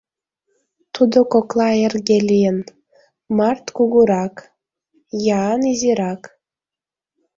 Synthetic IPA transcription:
t̪ʰud̪okoklˠɑerɡʲelʲijen | mɑrt̪kuɡuɾɑk | jaːnizʲiɾɑk

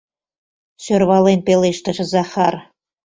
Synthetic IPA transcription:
ɕø̆rβɑlenpeleʃt̪ɘ̆ʒɘ̆zɑχɑr

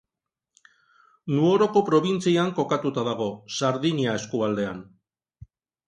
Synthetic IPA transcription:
nuo̞ɾo̞ko̞pɾo̞β̞int͡siaŋko̞kat̪ut̪aðaɣ̞o̞saɾðiɲiae̞skuβald̪e̞an

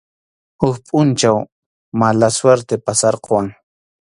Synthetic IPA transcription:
hʊkpʼʊnt͡ʃaw | malasweɾt̪epasaɾqowaŋ

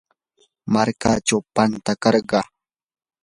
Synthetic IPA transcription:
maɾkat͡ʃawpant̪akɑɾɢɑ

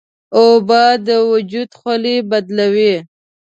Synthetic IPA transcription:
obɑd̪əwʊd͡ʒud̪xalibad̪lawi

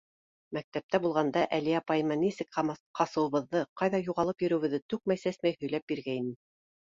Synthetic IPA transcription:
mæk̚t̪æp̚t̪æbulˠʁɑnd̪ɑʔæliɑpɑjɤ̆mɑnisɘkɑqɑsɤ̆wɤ̆βɤ̆ðːɤqɑjðɑjuʁɑlˠɤpjɵ̆ɾɵ̆wɘ̆ðːɘt̪ʉk̚mæjsæsmæjhɵ̆jlæp̚biɾɡæinɘ

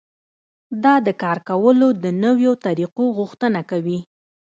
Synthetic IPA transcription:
d̪ɑd̪əkɑɾkawəlod̪ənəwjot̪aɾiqoɣʊxt̪ənakawi

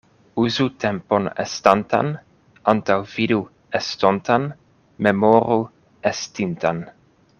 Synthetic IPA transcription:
uzut̪ʰɛmponḛst̪ant̪a̰n | ant̪awvidu | est̪ont̪an | memoɾu | est̪int̪an

